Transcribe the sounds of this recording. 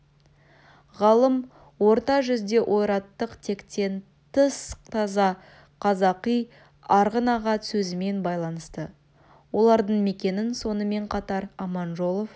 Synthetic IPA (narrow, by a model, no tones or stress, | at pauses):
ʁɑlˠəm | wo̞ɾt̪ɑʒʏzd̪e̞ʔo̞jɾɑt̪ːəqt̪ʰe̞kt̪e̞n | t̪ʰəst̪ʰɑzɑ | qʰɑzɑqij | ɑɾʁənɑʁɑt̪sɵzɪme̞nbɑjlˠɑnəst̪ə | wo̞lˠɑɾd̪əɴme̞kʲe̞nɪnso̞nəme̞ɴqʰɑt̪ɑɾɑmɑnʒo̞lˠo̞f